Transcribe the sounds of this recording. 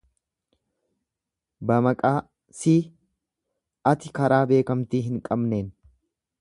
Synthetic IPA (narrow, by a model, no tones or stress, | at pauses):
bɐmɐkʼaː | siː | ɐt̪ɪkɐɾaːbe̞ːkɐmt̪iːɦɪŋkʼɐbneːn